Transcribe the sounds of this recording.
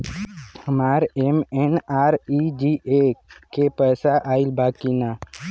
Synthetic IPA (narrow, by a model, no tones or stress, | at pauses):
həmaːɾemenaːɾid͡ʒiekepəːsaʔaːɪlbaːkinaː